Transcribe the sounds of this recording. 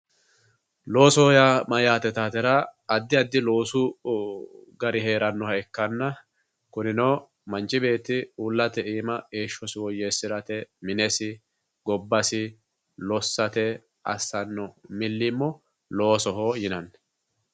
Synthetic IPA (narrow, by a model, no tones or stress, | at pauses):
lo̞ːsɔhɔjamɐjaːt̪ɛt̪aːt̪ɛɾɐɐd̪ːɪɐd̪ːɪlo̞ːsʊ | ɡɐɾɪɦe̞ːɾɐnːɔhɐɛkːɐnːɐ | kʊnɪnɔː | mɐnt͡ʃɪbe̞ːt̪ːɪuːlːɐt̪ɛʔiːmɐɡeːʃːɔsɪwɔjesːɪɾɐt̪ɛmɪnɛsɪ | ɡɔbːɐsɪ | lɔsːɐt̪ɛ | ɐ̰sːɐnːɔmɪlːɪmːɔ | lo̞ːsɔɦoːjɪnɐn